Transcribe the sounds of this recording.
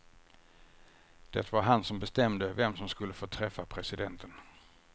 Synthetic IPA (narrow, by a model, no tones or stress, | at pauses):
d̪̥ɛ̰t̪vaɾɦansɔmbɛst̪ɛmd̪əvɛmsɔmskɵlːəfoːt̪ʰɾɛfːapʰɾɛsɪd̪ɛnt̪ʰən